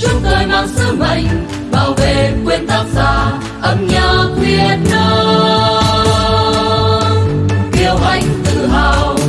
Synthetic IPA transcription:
t͡ɕu˧˥ŋ͡m̚t̪əː˨˩jmaː˨˧˩msɨ˧˦˥mə̰˧˨˩jŋ̟ | ɓaː˧˩wve˨˩kwe˧nt̪aː˦˥k̚zaː˧˩ | ʔə˧mɲə˧kwi˧ən̚ɗo˧ | ki˧˩əwʔa˧˩jŋ̟t̪ɨ˧˩˨ɦa˨˧˨w

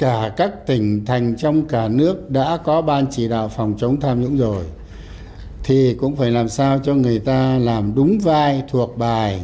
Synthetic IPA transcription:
kaː˧˩kaː˦˥k̚t̪ï˧˩ŋ̟t̪ʰa˨˩jŋ̟t͡ɕɔ˧wŋ͡mkaː˧˩nɨ˦˥ək̚ɗa̰ː˧˥kɔ˨˦ɓaː˧nt͡ɕi˧˩ɗa̰ː˧˨wfɔ˨˩wŋ͡mt͡ɕə˨˦wŋ͡mt̪ʰaː˧mzʊ̰˧˥ŋ͡mzo˨˩j | t̪ʰi˨˩kʊ̰˧˥ŋ͡mfaː˧˩jlaː˨˩msaː˧wt͡ɕɔ˧ŋɨ˨˩əjt̪aː˧laː˨˩mɗʊ˨˦ŋ͡mvaː˧jt̪ʰu˨˩ək̚ɓaː˨˩j

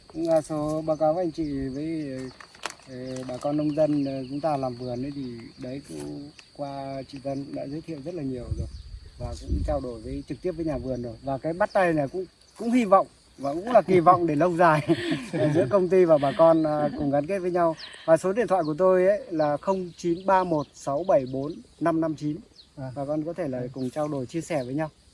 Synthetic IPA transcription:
aː˨˩so˨˦ɓaː˨˦wkaː˨˦wʔa˧jŋ̟t͡ɕḭ˧˨vəː˨˦j | ɓaː˨˩kɔ˧nːə˧wŋ͡mzə˧n˨˩t͡ɕʊ˨˦ŋ͡mt̪aː˧laː˨˩mvɨ˨˩ənə˨˦jt̪ʰi˨˩ɗə˨˦jkʊ̰˧˥ŋ͡mkwaː˧t͡ɕḭ˧˨t̪ə˧nɗa̰ː˧˥zəː˨˦t̪ʰḭ˧˨ə˨wzə˦˥t̚laː˨˩ɲi˨˩əwzo˨˩k̚vaː˨˩kʊ̰˧˥ŋ͡mt͡ɕaː˧wɗo˧˩jvəː˨˦jt͡ɕɨ˨˩k̪̚i˦˥əp̚vːɲaː˨˩vɨ˨˩ənzo˨˩jvaː˨˩kaː˨˦jɓa˦˥t̚t̪a˧jnaː˨˩kʊ̰˧˥ŋ͡m | kʊ̰˧˥ŋ͡mhi˧vɔ̰˧˨wŋ͡m | vaː˨˩kʊ̰˧˥ŋ͡mlaː˨˩ki˨˩vɔ̰˧˨wŋ͡mɗe˧˩lə˧wzaː˨˩jzɨ̰˧˥əkə˧wŋ͡mt̪i˧vaː˨˩ɓaː˨˩kɔ˧nː˨kʊ˨˩ŋ͡mɣa˨˦nke˦˥t̚vəː˨˦ɲa˧wvaː˨˩so˨˦ɗi˧˨nt̪ʰwaː˧˨jku˧˩ə˩t̪o˧jʔə˨˦jlaː˨˩xə˧wŋ͡mt͡ɕi˨˦nɓaː˧mo˨˩t̚sa˨˦wɓə˧˩jɓo˨˦nːa˧mna˧mt͡ɕi˨˦n˨˩ɓaː˨˩kɔ˧nkɔ˨˦t̪ʰe˧˩laː˨˩kʊ˨˩ŋ͡mt͡ɕaː˧wɗo˧˩jt͡ɕi˧əsɛ˧˩vəː˨˦jɲa˧w

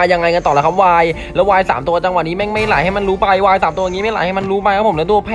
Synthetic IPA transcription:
ja˧ŋa˧jka˧nt̪ɔː˨˩la˦˥˩kʰa˦˥p̚waː˧j | lɛː˦˥waː˧jsaː˩˦mt̪u˧ɐt͡ɕa˧ŋwa˨˩niː˦˥mɛ˥˩ma˥˩jla̰ː˩˦jha˥˩jma˧nɾuː˦˥pa˧jwaː˧jsaː˨˦mt̪u˧jŋi˦ma˥˩ja̰ː˨˩˦jha˥˩jma˧nɾuː˦˥pa˧jkʰpʰo˩˦nɛ˦˥t̪u˧˩əpʰɛː˥

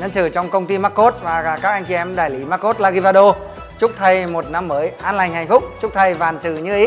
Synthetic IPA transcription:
ɲə˧nsɨ˧˩t͡ɕɔ˧wŋ͡mkə˧wŋ͡mt̪i˧maː˦˥k̚kːo˦˥t̚vaː˨˩a˨˩kaː˦˥k̚a˧jŋ̟t͡ɕi˧ɛ˧mɗaː˨˩jli˨˦maː˦˥kːo˦˥t̚laː˧ɣi˧va˧ɗo˧ | t͡ɕʊ˦˥k͡p̚t̪ʰə˧jmo˨˩t̚na˧mːəː˨˦jʔaː˧nla˨˩jŋ̟hɦa˨˩jŋ̟fʊ˦˥k͡p̚t͡ɕʊ˦˥k͡p̚t̪ʰə˧jvaː˨˩nsɨ̰˧˩ɲɨ˧ʔi˨˦

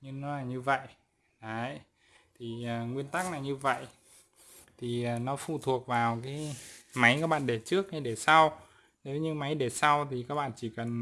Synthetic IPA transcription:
ɲɨ˧ŋnɔ˨˦laː˨˩ɲɨ˧və̰˧˨jʔ | ɗə˨˦j | t̪ʰi˨˩əː˨˩ŋwi˧ənt̪a˦˥k̚naː˨˩wɲɨ˧və̰˧˨jʔ | t̪ʰi˨˩əː˨˩nɔ˨˦fṵ˧˩t̪ʰu˨˩ək̚vaː˨˩wkaː˨˦jma˨˦jkaː˦˥k̚ɓa̰ː˧˨ɗe˧˩t͡ɕɨ˦˥ək̚ha˧˦jɗe˧˩sa˧w | ne˨˦wɲɨ˧ma˨˦jɗe˧˩sa˧wt̪ʰi˨˩kaː˦˥k̚ɓa̰˧˨nt͡ɕi˧˩kə˨˩n

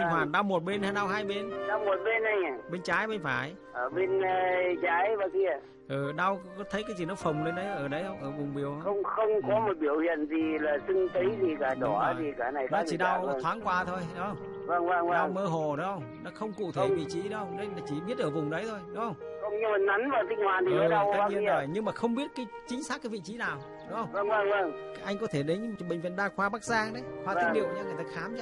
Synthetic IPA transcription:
i˧˩waː˨˩ɗaː˧wmo˨˩t̚ɓe˧naː˧jɗa˧wɦaː˧jɓe˧nɗa˧wmo˨˩t̚ɓe˧nːa˨˧˩ja˨˩ɓe˧nt͡ɕaː˨˦jɓe˧nfaː˧˩j | ʔəː˧˩ɓe˧nː˧t͡ɕaː˨˦jvaː˨˩ki˧ə | ʔɨː˨˩ɗa˧wkɔ˨˦t̪ʰə˨˦jkaː˨˦jzi˧˨˩nɔ˨˦fə˨˩wŋ͡mle˧nɗə˨˦jʔəː˧˩ɗə˨˦jhə˧wŋ͡mʔəː˧˩vʊ˨˩ŋ͡mɓi˨˩əwxə˧wŋ͡mxə˧wŋ͡mkɔ˨˦mo˨˩t̚ɓi˧˩əwhḭ˧˨ənzi˨˩laː˨˩sɨ˧ŋt̪ə˨˦jzi˨˩kaː˧˩ɗɔ˧˩˨zi˨˩kaː˧˩na˨˩jnɔ˨˦t͡ɕi˧˨˩ɗa˧wtʰwaː˨˦ŋkwaː˧˩t̪ʰo˧jɗhə˧ŋ͡m | və˧˩ŋvə˧ŋvə˧a˧˩ŋwməː˧ɦo˨˩ɗɔ˨˦ŋ͡mhə˧wŋ͡mnɔ˨˦xə˧wŋ͡mkṵ˧˨t̪ʰe˧˩vḭ˧˨t͡ɕi˨˦ɗo˨˦hə˧wŋ͡mne˧˦na˨˦t͡ɕi˧˩ɓi˦˥ət̚ʔəː˧˩vʊ˨˩ŋ͡mɗə˨˦jt̪ʰo˧jɗʊ˨˦ŋ͡mhə˧wŋ͡mə˧˩ŋ͡mɲɨ˧ma˨˩na˨˦nvaː˨˩zï˧ŋ̟hwaː˨˩nt̪i˨˦˨w̪̚ɲi˧ə˧nɔ˧˨˧jɲɨ˧ŋmaː˨˩xə˧wŋ͡mɓi˦˥ət̚kaː˨˦jt͡ɕï˨˦ŋ̟saː˦˥kaː˨˦jvḭ˧˨t͡ɕi˨˦naː˨˩w | ɗʊ˨˦ŋ͡mhə˧wŋ͡mə˧ə˧ŋvə˧˩ŋ | ʔa˧jŋ̟kɔ˨˦t̪ʰe˧˩ɗe˨˦n˧˨˩ɓï˨˩ŋ̟vḭ˧˨nɗaː˧xwaː˧ɓaː˦˥k̚zaː˧ŋɗə˨˦jxwaː˧t̪i˦˥ɗḭ˧˨wɲaː˧ŋ˨˩jt̪aː˧xaː˨˦mt͡ɕɔ˧˦

